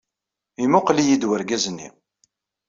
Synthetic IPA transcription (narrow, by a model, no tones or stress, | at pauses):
imʊqlijid̪wəɾɡæznːḭ